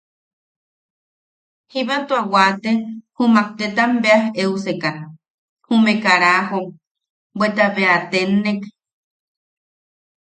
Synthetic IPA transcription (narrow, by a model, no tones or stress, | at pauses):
hiβat̪uawat̪ehumak̚t̪et̪ambeaheuseka | humẽkaɾaho | bwet̪aβeat̪enek